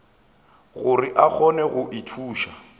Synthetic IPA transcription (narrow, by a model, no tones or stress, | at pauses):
ɣʊrɪʔak͡xʰɔnɛɣʊʔitʰuːʃa